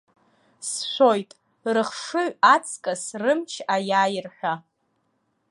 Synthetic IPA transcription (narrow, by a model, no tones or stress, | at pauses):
sʃʷo̞jtʼ | rɨχʂɨʕʷat͡sʰʼkʼasrɨmt͡ʃʰajaːjɪrħʷᶣa